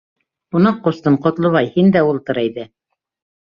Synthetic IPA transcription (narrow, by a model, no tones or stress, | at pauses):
unɑqːust̪ɤɴqŏt̪lˠɤ̆βɑjhind̪æulˠt̪ɤ̆ɾæjðɘ